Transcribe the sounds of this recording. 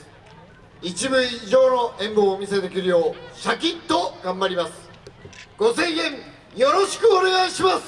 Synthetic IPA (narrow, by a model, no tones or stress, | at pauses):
it͡ɕibɯ̟iʑo̞ːno̞ʔẽ̞mboːmʲise̞d̪e̞kʲiɾɯjo̞ːɕak̬ʲĩnt̪o̞ɡãmbaɾʲimasɨ̥ | ɡ̥o̞sẽ̞ɰ̃jẽ̞ɴ | jo̞ɾo̞ɕi̥kɯ̟one̞ɡaiɕimasɨ̥